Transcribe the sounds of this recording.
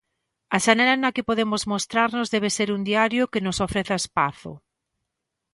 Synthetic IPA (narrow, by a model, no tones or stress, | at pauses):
aʃanɛlanakɪpoðemozmost̪ɾaɾnozðɛβ̞eseɾund̪iaɾjokenosofɾeθaespaθʊ̰